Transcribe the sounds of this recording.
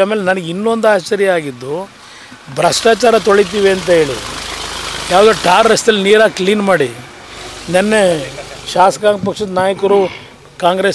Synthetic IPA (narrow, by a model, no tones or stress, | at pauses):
aːmeːlenɐnɐɡinːond̪uaːst͡ʃɐɾjɐaːɡid̪ːu | bʱɾɐsʂʈaːt͡ʃaːɾɐt̪oɭit̪̬iːʋiɐnt̪̬ɐɦe̞ːɭḭ | jaːʋud̪uːʈaːɾːest̪ɐlːiniːɾaːkliːnmaːɽi | nɐnːeʃaːsɐkaːŋɡpɐkʂɐd̪ɐnaːjɐkɐɾu | kaːŋɡɾes